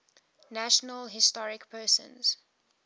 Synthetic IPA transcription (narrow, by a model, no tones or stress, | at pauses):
næʃənəlɦɪstɔɹɪkpʰɜːsə̰̃nz̥